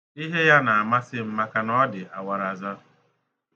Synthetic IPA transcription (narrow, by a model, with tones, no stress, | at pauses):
i˦ɦe˦ja˦na˨a˨ma˦sɪ˦m̩˦ma˦ka˦nɔ˦dɪ˨ʔa˨wa˨ɾa˨za˦